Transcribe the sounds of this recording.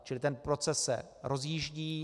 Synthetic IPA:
t͡ʃɪlɪt̪ɛnpɾo̞t͡sɛsːɛ̰ | ɾo̞zjiːʒɟiː

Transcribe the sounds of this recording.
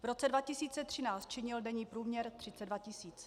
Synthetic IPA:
vɾo̞t͡sɛdvacɪsiːt͡sɛt̪r̥ɪnaːt͡st̪t͡ʃɪɲɪldɛɲiːpɾuːmɲɛɾt̪r̝̥ɪt͡sɛdvacɪsiːt͡s

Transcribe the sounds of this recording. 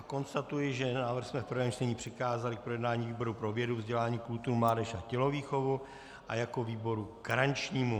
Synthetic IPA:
ko̞nst̪at̪ujɪʒɛnaːvr̩xsmɛfpr̩vɛːmt͡ʃt̪ɛɲiːpr̝̥ɪkaːzalɪk̚pɾo̞jɛdnaːɲiːviːbo̞ɾupɾo̞vjɛduvzɟɛlaːɲiːkult̪uɾumlaːdɛʃacɛlo̞viːxo̞vu | ʔa̰jako̞viːbo̞ɾuɡ̥aɾant͡ʃɲiːmu

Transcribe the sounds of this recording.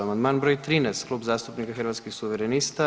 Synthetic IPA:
amand̪manbɾojt̪ɾiːnɛst̪klˠubzast̪upnikaxrɾʋat̪skixsuʋɛɾɛnist̪a

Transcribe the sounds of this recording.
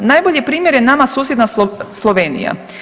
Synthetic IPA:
najboʎipɾiːmjeɾjenamasuːsjed̪naslˠoʋeːnḭja̰

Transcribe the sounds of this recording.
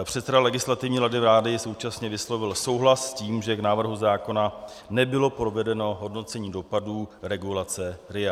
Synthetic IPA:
pr̝̥ɛt̪sɛdalɛɡɪslat̪ɪvɲiːɾadɪvɾaːdɪso̞wt͡ʃasɲɛvɪslo̞vɪlso̞wɦlasːciːmʒɛknaːvr̩ɦuzaːko̞na | nɛbɪlo̞pɾo̞vɛdɛno̞ɦo̞dno̞t͡sɛɲiːdo̞paduːɾɛɡulat͡sɛɾɪa

